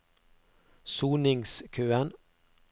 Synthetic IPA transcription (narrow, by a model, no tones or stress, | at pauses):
suːnɪŋskʰøːən